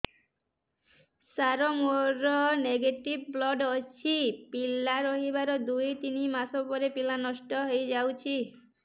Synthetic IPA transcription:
saɾɔmoɾɔneɡeʈibblɔɖɔt͡ʃʰipilaɾɔɦibaɾɔd̪ujt̪inimasɔpɔɾepilanɔʃʈɔɦojd͡ʒawt͡ʃʰi

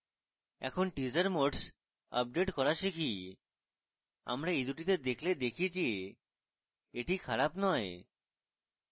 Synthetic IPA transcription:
ɛ̰kʰonʈid͡ʑaɾmoɖs | a̰p̚ɖeʈkɔɾaʃikʰi | a̰mɾaejd̪uʈit̪ed̪ekʰled̪ekʰid͡ʑe | eʈikʰaɾapnɔe

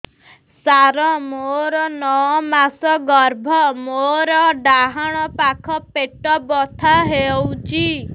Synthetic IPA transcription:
saɾɔmoɾɔnɔɔmasɔɡɔɾbʱɔmoɾɔɖaɦaɽ̃ɔpakʰɔpeʈɔbɔt̪ʰaɦewt͡ʃʰi

